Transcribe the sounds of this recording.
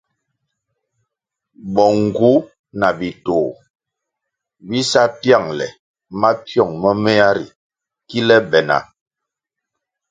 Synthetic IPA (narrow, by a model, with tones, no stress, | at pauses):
bɔ˨ŋ̩˨ɡu˦ | na˨bi˨toː˨ | bi˦sa˦pja˦˨ŋlɛ̰˨ | ma˦pjɔ˦˨ŋmə˦mɛ˦a˦ɾḭ˨ | ki˦lɛ˦bɛ˨na̰˨